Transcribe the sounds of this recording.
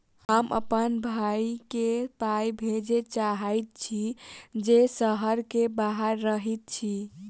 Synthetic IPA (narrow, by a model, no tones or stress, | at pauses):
həmə̰pənbʱajket̪ajbʱed͡ʒet͡ʃaɦəjt̪̚t͡ʃʰid͡ʒesəɦəɾkebaɦəɾːəɦit̪̚t͡ʃʰi